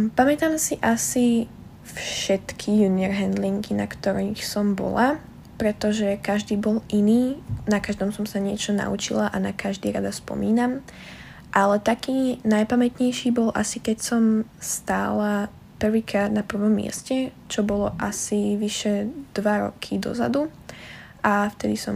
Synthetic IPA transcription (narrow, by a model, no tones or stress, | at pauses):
pamɛt̪aːmsiʔasi | fʃɛt̪kʰijuːniɛɾɦɛnd̪liŋkinakt̪ɔɾiːxsɔmbɔ̰la | pɾɛt̪ɔʒɛkaʒd̪iːbɔliniːnakaʒd̪ɔmsɔmsaɲɪɛt͡ʃɔna̰ṵt͡ʃḭlaʔanakaʒd̪iːɾad̪aspɔ̰miːnam | ʔalɛt̪akiːnajpamɛt̪ɲɛjʃiːbɔlʔa̰sikɛcsɔmst̪a̰ːla | pr̩ʋiːkɾaːd̪napr̩ʋɔmːɪɛ̰scɛ | t͡ʃɔbɔlɔʔasiʋiʃɛd̪̥ʋaɾɔ̰kʰid̪ɔ̰za̰d̪u | ʔaft̪ɛd̪isɔm